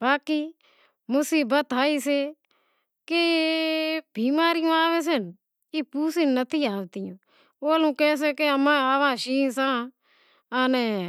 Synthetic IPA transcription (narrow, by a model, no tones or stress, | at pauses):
baːkiː | mʊsiːbət̪aːiːseː | ke | bʱiːmaːɾɪjõːaːʋɛːs̬ən | iːpuːsinət̪ʰiːaːʋt̪ɪːõ̰ː | oːlũːkɛːs̬ɛːkeəmãːaːʋãːʃiːsãː | aːnɛː